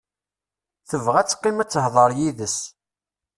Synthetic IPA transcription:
θəvʁæt͡sːqːɪmæt͡sːəhðˤəɾˤjiðəs

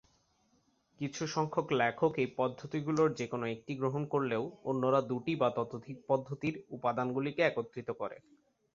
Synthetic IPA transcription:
kit͡ɕʰuʃɔŋkʰoklɛkʰokejpɔd̪ʱːot̪iɡuloɾd͡ʑekonoek̚ʈiɡɾoɦonkoɾleoonːoɾad̪uʈibat̪ɔt̪od̪ʱik̚pɔd̪ʱːot̪iɾupad̪anɡulikeɛkot̪ːɾit̪okɔɾḛ

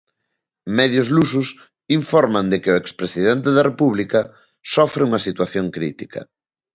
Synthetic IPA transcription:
mɛðjʊzlusʊs | iɱfɔɾmand̪ɪkɪʊekspɾesið̞ɛnt̪eðɐrepuβ̞likɐ | sɔfɾeuŋɐsit̪waθjoŋkɾit̪ikɐ̰

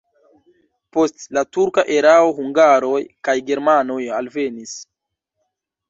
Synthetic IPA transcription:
po̞stlatuɾkaʔe̞ɾao̞ɦuŋɡaɾo̞jkajɡe̞ɾmano̞jalve̞nis

